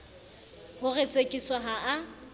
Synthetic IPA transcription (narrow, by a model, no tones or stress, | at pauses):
hʊret͡sʼekʼiswaɦaʔː